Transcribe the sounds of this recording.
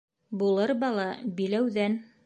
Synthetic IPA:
bulˠɤɾbɑlˠɑbilæwðæn

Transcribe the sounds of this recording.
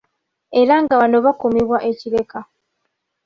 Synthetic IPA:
e̞ɾaŋɡaβanoβakomiβwaʔeciɾe̞ka

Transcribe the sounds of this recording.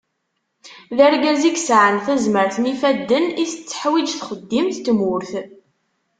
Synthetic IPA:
ðəɾɡæziɡsʕənθæzməɾθnifæd̪ːəniθət͡sːə̥ħwid͡ʒθχəd̪ːimθt̪ːmʊɾθ

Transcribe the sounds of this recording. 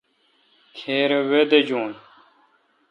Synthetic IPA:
kʰeːɾewed̪ed͡ʑoːn

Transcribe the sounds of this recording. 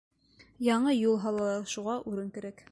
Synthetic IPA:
jɑɴɤjulˠɦɑlˠɑlˠɑʃuʁɑʔʉɾɘŋkɘ̆ɾæk

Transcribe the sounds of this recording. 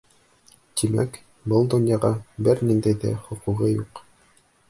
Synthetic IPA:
t̪ʰimæ̰k | bɤlˠd̪ŏnjɑʁɑbɘɾnind̪æjðæ̰χŏquʁɤjuq

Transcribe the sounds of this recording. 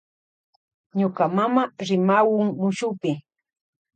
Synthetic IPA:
ɲokamamaɾɪmawʊŋmʊʃʊpɪ

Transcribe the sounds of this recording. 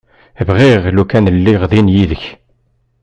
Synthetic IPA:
vʁiʁlukænəlːiʁðinjiðəç

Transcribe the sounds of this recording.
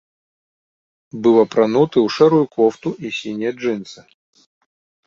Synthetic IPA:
bɨlˠɐpɾɐnut̪ɨuʂɛɾujʊkʰɔft̪ʊʔisʲinʲɪjəʐɨnsɨ

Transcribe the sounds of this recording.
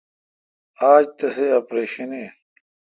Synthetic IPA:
aːd͡ʑt̪ɐseɐpɾeːɕɐneː

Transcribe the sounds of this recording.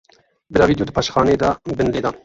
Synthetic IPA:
bɨɾɑːviːd̪joːd̪ɨpʰɑʃxɑːneːd̪ɑbɨnleːd̪ɑːn

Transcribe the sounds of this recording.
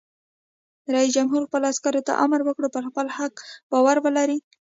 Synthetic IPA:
ɾais̬d͡ʒamɦuɾxpəloaskɑɾot̪a̰ʔa̰məɾwəkɽopəɾxpəlhakbɑwaɾwəlaɾi

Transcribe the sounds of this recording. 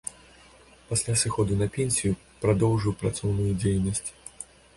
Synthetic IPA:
pasʲlʲasɨxɔd̪unɐpʲenʲsʲiju | pɾad̪ɔwʐɨwpɾat̪sɔwnujud͡zʲejnɐsʲt͡sʲ

